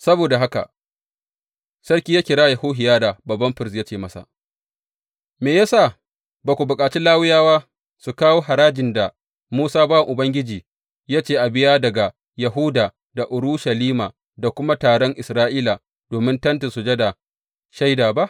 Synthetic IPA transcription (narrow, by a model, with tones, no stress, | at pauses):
sɐ˦boː˨da˨ɦa˦ka̰˨ | sɐ˦ɽkʲiː˦jaː˦kʲɪ˨ɽaː˦jɐ˨hoː˦ɦɪ˨jaː˦da˨bɐ˨bːɐ˦mɸɪ˦ɾsja˦t͡ʃeː˦˨mɐ˦sa̰˨ | meː˨ja˦saː˦˨ | baː˨kʷu˨bʊ˨kʼaː˨t͡ʃiː˦laː˦wɪ˦jaː˦waː˦ | su˨kaː˦woː˦ɦa˨ɾaː˦d͡ʒɪ˨nda˨ | muː˦saː˦baː˦a˨ʔʊ˨bɐ˦ŋɡʲɪ˦d͡ʒiː˨ | jaː˦t͡ʃeː˦˨ʔa˨bɪ˦jaː˦dɐ˨ɡa˨ | jɐ˨ɦu˦daː˨ | da˨ʔʊ˨ɽuː˦ʃɐ˨liː˦maː˨ | da˨kʷʊ˦ma˦taː˨ɽɔ˦ŋʔɪ˨sɾaː˦ʔiː˦la˨ | d̥oː˨mɪ˦ntɐ˦nta˨su˨d͡ʒe˦da˨ | ʃa˦jdaː˨ba˦ʔ